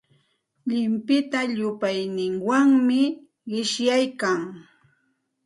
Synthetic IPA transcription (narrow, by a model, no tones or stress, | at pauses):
ʎɪmpɪt̪aʎʊpajnɪŋwaŋmɪ | ɢɪʃjajkaŋ